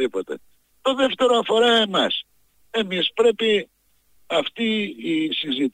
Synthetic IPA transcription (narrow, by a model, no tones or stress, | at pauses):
ipot̪e̞̰ | t̪oðe̞ft̪e̞ɾoɐfo̞ɾɐemɐs | e̞mispɾe̞pi | ɐft̪iːsizit̪